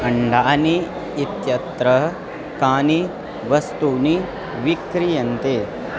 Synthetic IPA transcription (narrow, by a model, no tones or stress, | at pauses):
ɐɳɖaːniː | t̪jɐt̪ɾɐ | kaːni | ʋɐst̪uni | ʋikɾijɐnt̪eː